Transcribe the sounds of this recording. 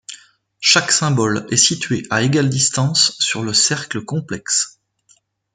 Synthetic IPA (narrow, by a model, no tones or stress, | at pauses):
ʃaksɛ̃bɔlɛsit̪ɥeʔaeɡald̪ist̪ɑ̃sːyʁləsɛʁkləkɔ̃plɛks